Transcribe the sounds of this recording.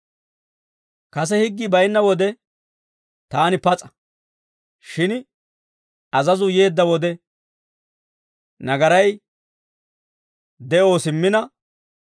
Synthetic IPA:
kɐs̬ɛhɪɡːɪbɐjnːɐwɔd̪ɛ | t̪aːnɪpɐt͡sʼɐ̥ | ʃɪn | ɐzɐzʊje̞ːd̪ːɐwɔd̪ɛ | nɐɡɐɾɐj | d̪ɛʔo̞ːsɪmːɪnɐ

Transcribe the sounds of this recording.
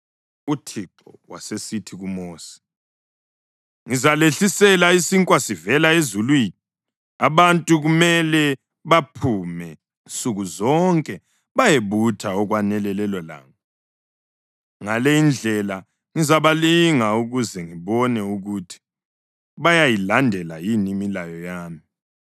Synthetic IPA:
utʰiǃɔ̰wa̰sesitʰiɣumoːsi̥ | ŋizaleɬisɛlaisiŋkʼwasivɛlaezulwiːni | aβantʼuɣumɛlɛ | βapʰumɛ | int͡sʼuɣuzɔŋkʼɛ | βajeβutʰaɔɣwanɛlɛlɛlɔla̰ːŋa | ŋalejind͡ɮʱɛla | ŋizaβaliŋauɣuzɛŋiβɔnɛuɣutʰi̥ | βajajilandʱɛlajinimilajɔjaːmi

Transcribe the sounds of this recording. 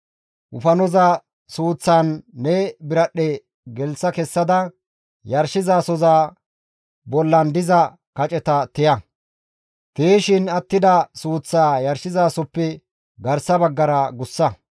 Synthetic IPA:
ʔʊfɐnɔzɐ | suːt͡sːaːnːɛbɪɾɐɗːɛ | ɡɛlsɐkɛsːɐd̪ɐ | jɐɾʃɪzaːsɔzaː | bɔlːɐnd̪ɪzɐ | kɐt͡ʃʼɛt̪ɐt̪ɪjɐ | t̪eːʃɪnɐt̪ːɪd̪ɐsuːt͡sːaːjɐɾʃɪzaːsɔpːɛ | ɡɐɾsɐbɐɡːɐɾɐɡʊsːɐ

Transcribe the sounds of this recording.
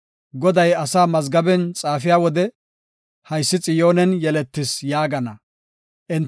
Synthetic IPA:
ɡɔd̪ɐjɐsaːmɐzɡɐbɛnt͡sʼaːfɪjaːwɔd̪ɛ | hɐjsːɪt͡sʼɪjoːnɛnjɛlɛt̪ːɪsjaːɡɐnɐ | ʔɪnt̪

